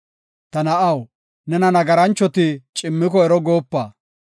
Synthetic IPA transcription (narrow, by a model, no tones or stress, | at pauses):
t̪ɐnɐʔɐw | nɛnɐnɐɡɐɾɐnt͡ʃːɔt̪ɪt͡ʃʼɪmːɪkɔɛɾɔɡo̞ːpːaː